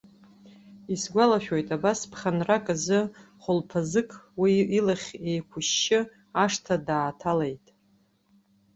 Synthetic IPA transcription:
isɡʷalaʃᶣo̞jtʼabaspʰχʲanrakʼɨzɨχʷʊlpʰazɨkʼwiːlaχʲe̞jkʷʰʊʃːɪ | aʂtʰadaːtʰalejtʼ

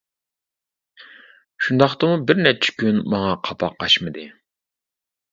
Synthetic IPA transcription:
ʃund̪ɑχt̪ɨmubɪɾnɛt͡ʃʰɛ̥kʲynmɑŋɑqʰɑpʰɑqʰːɑʃmɨd̪ɨ

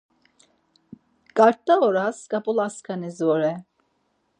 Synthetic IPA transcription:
ɡ̥aɾt̪ːaoɾaskabulˠaskʰanizoɾɛ

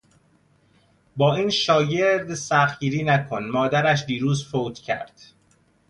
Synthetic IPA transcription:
bɒːiːnʃɒːɟe̞ɾd̪sæxɟiːɾiːnækʰonmɒːd̪æɾæʃ̬d̪iːɾuːzfoːt̪ʰcʰæ̰ɾd̪̥

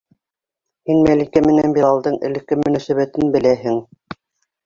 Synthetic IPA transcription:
hinmælikæmɘ̆nænbiɾɑlˠd̪ɤɴɘ̰̆lɘ̆kːɘmɵ̆næsæβæt̪ɘnbɘ̆læɦɘŋ

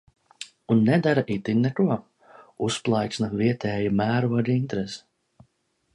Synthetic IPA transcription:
unːɛd̪aɾaʔit̪inʲnɛkuɔ | usplˠaj̪snaviɛt̪ɛːjumæːɾud̪int̪ɾesɛ̥

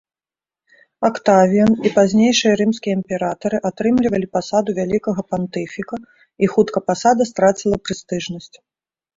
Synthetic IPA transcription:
akt̪avʲijɐnipazʲnʲejʂɨjɐɾɨmskʲijɐimʲpʲɛɾat̪ɐɾɨʔat̪ɾɨmlʲivɐlʲipasad̪uvʲalʲikɐɣɐpant̪ɛfʲikɐ | ixut̪kɐpasad̪ɐst̪ɾat͡sʲilˠɐpɾɨst̪ɨʐnɐsʲt͡sʲ

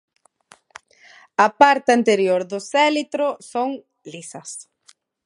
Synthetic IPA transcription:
ɐpaɾt̪ɪɐnt̪eɾjoɾðʊsɛlit̪ɾʊsoŋ | lisɐs

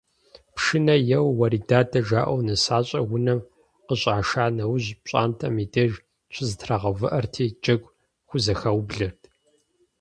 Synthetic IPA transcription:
pʰʂɨnɐjɛwːɐɾiːdaːdɐʒaːʔʷɐwnɨsaːɕʼɐwʷʊnɐm | qəɕʼaːʃaːnɐwʑɕʼa̰ːntʰʼɐmidɐʒ | t͡ʃʷʰɪzɨtʰraʁɐvɨʔɐrtʰiːd͡ʒɐɡʷ | xʷʊzɐxɐwbɮɐrtʰ

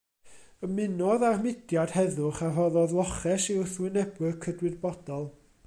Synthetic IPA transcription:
əmɪnɔðarmɪdjad̥hɛðʊχaɦɔðɔðlˠɔχɛsiʊθwɪnɛbwɨkʰədwɨðbɔd̥ɔlˠ

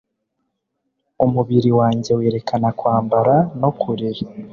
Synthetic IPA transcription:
umuβiɾiwaːɲɟe̞weːɾe̞kʰanakwaːmbaɾano̞kʰuɾi

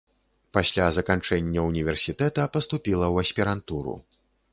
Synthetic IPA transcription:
pasʲlʲazɐkant͡ʂɛnʲːɐunʲivʲɛrsʲit̪ɛt̪ɐpɐst̪upʲilˠɐwɐsʲpʲiɾant̪uɾṵ

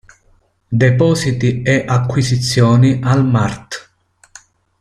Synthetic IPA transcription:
d̪ɛpɔːsit̪iɛʔakːwisit̪sːjɔːniʔalmart̪

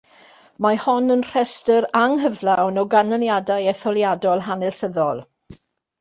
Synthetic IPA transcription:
mahɔnənr̥ɛstəɾaŋɦəvlawnɔɡanəljadajɛθɔlˠjadɔlˠɦanɛlˠsəðɔlˠ

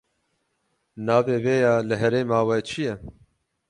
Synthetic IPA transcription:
naːveːveːjɑːlɨɦɛɾeːmaːwɛt͡ʃʰijɛ

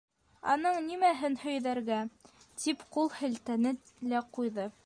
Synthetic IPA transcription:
ɑ̰nɤɴnimæɦɘnhɵ̆jðæɾɡæ | t̪ʰipqulˠhɘ̆lt̪ænɘ | læqujðɤ

